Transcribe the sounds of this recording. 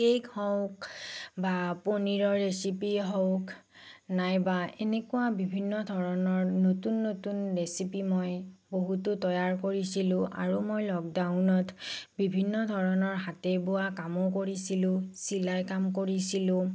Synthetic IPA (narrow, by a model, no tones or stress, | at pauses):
kejkɔʊkbaponiɹɔɹːesipiɦɔwk | najbaenekʊwabibʱinːɔdʱɔɹɔnɔɹnotunːotunɹesipimojboɦutʊtɔjaɹkoɹisilʊ̃ʔa̰ɹumojlɔɡdaʊnɔtbibʱinːɔdʱɔɹɔnɔɹɦatɛbʊwakamɔkoɹisilʊ̃silajkamkoɹisilʊ̃